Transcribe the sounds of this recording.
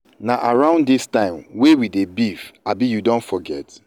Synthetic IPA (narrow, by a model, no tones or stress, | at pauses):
naʔaɹãʊ̃nddistãɪ̃mwewidebifabijudõntfɔɡɛt